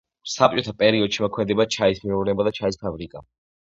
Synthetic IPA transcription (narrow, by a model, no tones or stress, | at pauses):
sap̚t͡ʃʼɔt̪ʰapʼɛɾiɔd̪ʃimɔkʰmɛd̪ɛbat͡ʃʰaismiuɾnɛbad̪at͡ʃʰaispʰabɾikʼa̰